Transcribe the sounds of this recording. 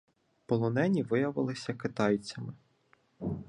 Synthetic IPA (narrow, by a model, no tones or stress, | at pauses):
pɔlˠɔnɛnʲiʋɪjɐʋɪlˠɪsʲɐkɪt̪ɑjt͡sʲɐmɪ